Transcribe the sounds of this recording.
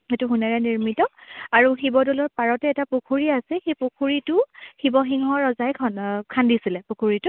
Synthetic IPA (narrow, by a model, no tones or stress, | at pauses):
hetuɦunɛɹɛniɹmitɔaɹuxibɔdɔlɔɹpaɹɔtɛːtapukʰuɹiasɛxejpukʰuɹitʊhibɔxiŋɦɔɹɔzajkʰɔnkʰandisilɛpukʰuɹitʊ